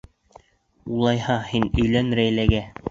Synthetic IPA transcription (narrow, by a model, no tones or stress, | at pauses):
ulˠɑjhɑhinɵ̆jlænɾæjlæɡæ